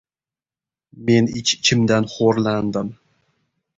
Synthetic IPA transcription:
me̞nɪt͡ʃɪt͡ʃʰɪmd̪anχoɾland̪ɪm

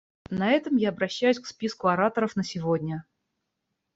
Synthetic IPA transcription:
nɐɛt̪əmjaɐbɾɐɕːæjʉsʲkspʲiskʊɐɾat̪əɾəfnəsʲɪvodʲnʲə

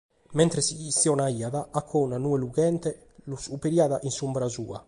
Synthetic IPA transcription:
mɛnt̪ɾesiːsjɔnaiːaðaakʰːɔunanuːeluɡɛnt̪e | lusupeɾiaðaʔinsumbɾazṵːa̰

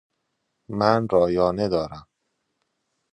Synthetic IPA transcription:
mænɾɒːjɒːne̞d̪ɒːɾæm

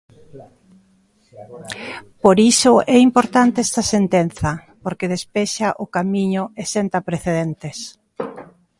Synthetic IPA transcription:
poɾisʊʔɛimpoɾt̪ant̪eɛst̪ɐsent̪en̟θɐ | poɾkeð̞espɛʃaʔʊkamiɲʊesent̪ɐpɾeθeðent̪es

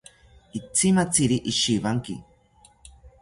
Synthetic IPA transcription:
it͡simat͡siɾiʔiʃiβaŋkḭ

